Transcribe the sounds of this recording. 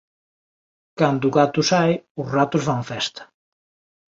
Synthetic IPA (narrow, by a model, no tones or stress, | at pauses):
kand̪uɣat̪ʊsajʊzrat̪ʊzβaɱfɛst̪ɐ̥